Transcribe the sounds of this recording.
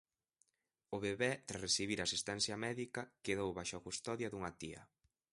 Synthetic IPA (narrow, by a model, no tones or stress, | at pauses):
ʊβeβɛt̪ɾaresiβiɾasist̪ɛnθjɐmɛðikɐkeðowβajʃakust̪ɔðjɐðuŋɐt̪iɐ̰